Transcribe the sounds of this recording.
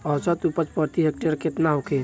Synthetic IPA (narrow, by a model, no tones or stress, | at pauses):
ɔt͡ʃɔt̪upət͡ʃpəɾt̪iɦek̚ʈeɾket̪naɦukʰe